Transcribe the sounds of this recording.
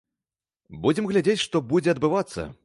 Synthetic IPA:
bud͡zʲɛmɣlʲad͡zʲet͡sʲʂt̪ɔbud͡zʲɛɐd̪bɨvat̪sːɐ̰

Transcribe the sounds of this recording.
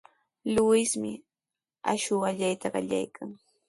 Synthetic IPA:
lʊwɪsmɪ | a̰ʃʊaʎajt̪aɢɑ̰ʎa̰jkʰaŋ

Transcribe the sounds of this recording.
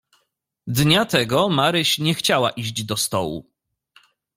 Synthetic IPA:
d̪ɲat̪ɛɡɔmaɾɘɕɲɛxt͡ɕawa̰ʔiʑd͡ʑd̪ɔst̪ɔ̰wṵ

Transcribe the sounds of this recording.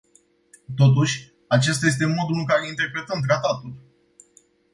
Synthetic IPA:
t̪o̞t̪̬uʃʲ | at͡ʃe̞st̪ajes̬t̪e̞mo̞d̪ulɨŋkaɾe̞int̪e̞rpɾe̞t̪əmt̪ɾat̪at̪ul

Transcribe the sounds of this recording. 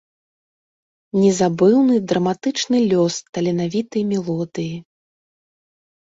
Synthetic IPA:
nʲɛzabɨwnɨd̪ɾɐmat̪ɨt͡ʂnɨlʲɔst̪ɐlʲɛnavʲit̪ɨjmʲɛlˠɔd̪ɨji

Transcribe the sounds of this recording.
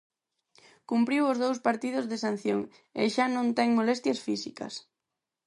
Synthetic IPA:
kumpɾiwʊzðowspaɾt̪ið̞ʊzðesan̟θjoŋ | ḛʃanõnt̪ɛŋmolɛst̪jɐsfisikɐ̰s

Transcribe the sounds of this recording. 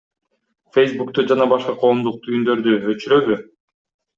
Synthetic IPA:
fejsbukt̪ud͡ʒɑnɑbɑʃqɑqʰo̞ːmd̪uq̚t̪ʰyjynd̪ø̞ɾd̪yøt͡ʃyɾøβy

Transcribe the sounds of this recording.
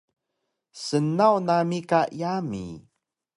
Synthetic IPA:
sənawnamikajamḭ

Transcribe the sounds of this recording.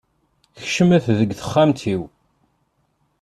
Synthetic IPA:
çʃəmæθðəɡθə̥χːamt̪ʰiw

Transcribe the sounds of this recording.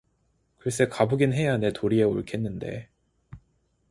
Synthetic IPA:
kɯɾes͈ʰekabuɡinɦe̞anetʰoɾie̞oɭkʰenːɯnde̞̰

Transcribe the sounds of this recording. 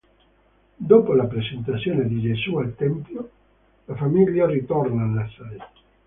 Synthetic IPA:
d̪oːpolapɾesent̪at̪sːjoːned̪id͡ʒezualt̪ɛmpjo | lafamiljarit̪ɔrnaːlːasaj

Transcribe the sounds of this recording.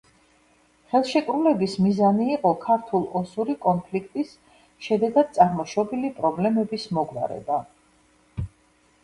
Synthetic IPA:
χɛlˠʃɛkʼɾulɛbismizaniːqʼɔkʰaɾt̪ʰulˠɔsuɾikʼɔnpʰlikʰt̪ʼis | ʃɛd̪ɛɡad̪̥̚t̪sʼaɾmɔʃɔbilipʼɾɔblɛmɛbismɔɡwa̰ɾɛ̰ba

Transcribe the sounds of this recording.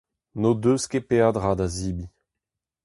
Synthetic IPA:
nodøːskepeadʁadaziːbi

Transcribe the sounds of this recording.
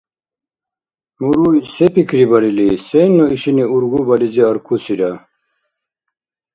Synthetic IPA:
muɾusepikɾibɐɾilisenːoiɕiniuɾɡubɐliziɐɾkʰusiɾa

